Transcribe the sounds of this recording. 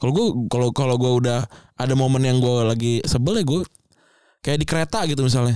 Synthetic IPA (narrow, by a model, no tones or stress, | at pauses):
kaloɡuakalokaloɡuaudah | adamomənjaŋɡualaɡisəbəlɛɡua | kajaʔdikəɾet̪aɡit̪̬umis̬alna